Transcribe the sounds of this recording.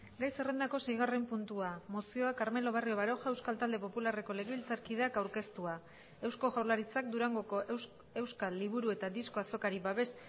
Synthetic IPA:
ɡajse̞re̞nd̪ako̞se̞jɣ̞are̞mpunt̪uamo̞sio̞akaɾmelo̞β̞ario̞βaɾo̞ʝae̞wskalt̪ald̪e̞po̞pulare̞ko̞le̞ɣeβilt͡saɾkið̞eakawɾke̞st̪ua | e̞wsko̞ʝawɾlaɾit͡sak̚d̪uɾaŋɡo̞ko̞ʔ | e̞wskaliβ̞uɾue̞t̪ad̪iskoaso̞kaɾiβaβe̞s

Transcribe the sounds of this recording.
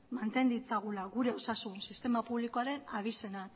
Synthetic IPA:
mant̪e̞nd̪it͡saɣ̞ulaɣuɾe̞o̞sasunsist̪e̞mapuβliko̞aɾe̞naβ̞ise̞na

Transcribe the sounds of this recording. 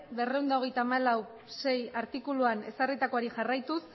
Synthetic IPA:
be̞re̞wnd̪ao̞ɣ̞e̞jt̪aːmalaw | se̞jaɾt̪ikuluane̞sarit̪ako̞aɾiʝarajt̪us

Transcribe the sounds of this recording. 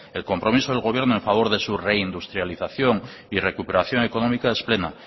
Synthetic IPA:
e̞lko̞mpɾo̞miso̞ðelɣ̞o̞β̞je̞ɾnoẽɱfaβo̞ɾðe̞sure̞ind̪ust̪ɾjaliθaθjo̞ŋ | ire̞kupe̞ɾaθjo̞ŋe̞ko̞nõmikae̞sple̞na

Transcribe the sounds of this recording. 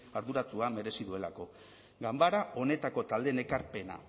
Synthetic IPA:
aɾðuɾat͡suame̞ɾe̞siðue̞lako̞ | ɡambaɾao̞ne̞t̪ako̞t̪ald̪e̞ne̞kaɾpe̞na̰

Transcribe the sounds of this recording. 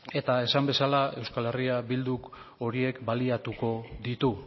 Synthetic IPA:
e̞t̪ae̞sambe̞salae̞wskale̞riabild̪uk | o̞ɾie̞kbaliat̪uko̞ðit̪u

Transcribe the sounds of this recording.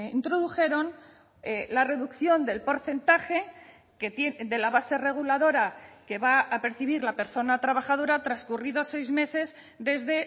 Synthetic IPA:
ḭnt̪ɾo̞ðuxe̞ɾo̞n | lare̞ðukθjo̞nd̪e̞lpo̞ɾθe̞nt̪axe̞ | ket̪ed̪e̞laβase̞re̞ɣ̞ulaðo̞ɾake̞βaːpe̞ɾθiβ̞iɾlape̞ɾso̞nat̪ɾaβ̞axað̞o̞ɾat̪ɾaskuriðose̞jzme̞se̞z | d̪e̞zðe̞

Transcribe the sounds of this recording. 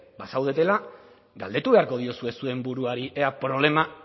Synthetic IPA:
basawðe̞t̪e̞la | ɡald̪e̞t̪uβe̞aɾko̞ð̞io̞sue̞sue̞mbuɾuaɾiʔeapɾo̞β̞le̞ma

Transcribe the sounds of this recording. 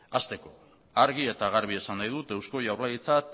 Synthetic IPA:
ast̪e̞ko̞ | aɾɣie̞t̪aɣaɾβ̞ie̞sanːajðut̪e̞wsko̞jawɾlajit͡sat̪

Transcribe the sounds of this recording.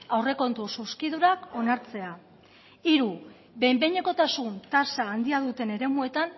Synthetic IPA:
awre̞ko̞nt̪ususkiðuɾako̞naɾt͡se̞a | iɾu | be̞jmbe̞jɲe̞ko̞t̪asunt̪asaːnd̪iaðut̪e̞ne̞ɾe̞mue̞t̪an

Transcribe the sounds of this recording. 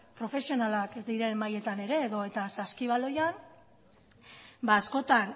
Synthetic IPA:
pɾo̞fe̞sio̞nalakd̪iɾe̞mːaje̞t̪ane̞ɾe̞ːðo̞e̞t̪asaskiβ̞alo̞jan | baːsko̞t̪an

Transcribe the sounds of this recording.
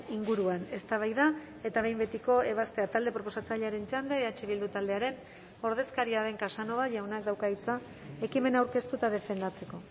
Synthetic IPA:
iŋɡuɾuane̞st̪aβ̞ajða | e̞t̪aβe̞jmbe̞t̪iko̞e̞β̞ast̪e̞at̪ald̪e̞pɾo̞p̬o̞sat͡saʎaɾe̞nt͡ʃand̪eeat͡ʃe̞βild̪ut̪ald̪e̞aɾe̞n | o̞ɾð̞e̞skaɾiaðe̞ŋkasano̞βaʝawnak̚d̪awkait͡sa | e̞kime̞nawɾke̞st̪ut̪að̞e̞fe̞nd̪at͡se̞ko̞

